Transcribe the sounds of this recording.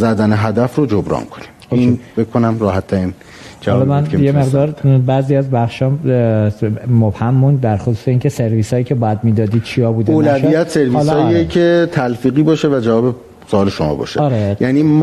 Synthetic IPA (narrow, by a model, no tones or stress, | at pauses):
zæd̪æneɦæd̪æfɾod͡ʒobɾɒ̰ːnkʰonimoinbekʰːonæmɾɒːhæt̪ʰːæɾin | d͡ʒælɒmænjeme̞ʁd̪ɒːɾbæziæzbæχʃɒː | mobhæmːuːnd̪d̪æɾxosu̥ːse̞iːŋcʰese̞ɾviːsɒːiːcʰe̞bɒːjæd̪miːd̪ɒːd̪iːd̪̥̚t͡ʃʰijɒbuːd̪eoːlæʃvijæt̪seɾvilslɒːiecʰet̪ʰælfiːɣiːbɒːʃevæd͡ʒævɒːbe | soɒːleʃomɒ̰ːbɒ̰ːʃeɒɾejʔæniː